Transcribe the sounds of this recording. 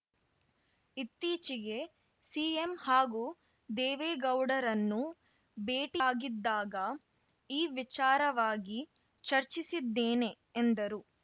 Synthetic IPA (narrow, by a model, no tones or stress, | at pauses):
it̪ːiːt͡ʃiɡe̞ | siːemhaːɡu | d̪eːʋeːɡɐwɽɐɾɐnːu | beːʈiːɡid̪ːaːɡɐ | iːʋit͡ʃaːɾɐʋaːɡi | t͡ʃɐɾt͡ʃisid̪ːeːne̞ːnd̪ɐɾu